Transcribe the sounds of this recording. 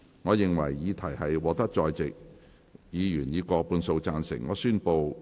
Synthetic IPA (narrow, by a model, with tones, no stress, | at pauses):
ŋɔː˨˧jɪ˨ŋwɐ̰˨˩jːiː˨˧˥t̪ʰɐ˨˩jhɐ˨jwɔː˨k̚t̪ɐ˥k̚t͡sɔː˧jt͡sɪ˨k̚ | jiː˨˧jyː˨˩njiː˨˧kɔː˧puː˧nso˧wt͡saː˧nsɪ̰˨˩ŋːɔː˨˧syː˥npo˧w